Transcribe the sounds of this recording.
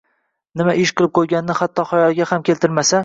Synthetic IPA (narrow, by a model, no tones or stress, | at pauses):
nɪmaɪʃqʰɨlˠɪp̚qʰojɡʲanːɪhat̪ʰːɒχɒjɒlˠɡʲahamkʲelt̪ʰɪɾmasa